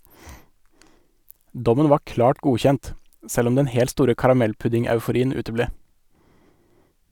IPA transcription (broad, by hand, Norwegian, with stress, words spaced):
ˈdɔmən ˈʋɑː ˈklɑːʈ ˈɡuːçɛnt ə ˈsɛl ˈɔm ˈdɛn ˈhɛlt ˈstuːɾə kɑɾɑˈmɛlˌpʉdɪŋɑʉfʊˌɾiːən ˈʉːtəˌbleː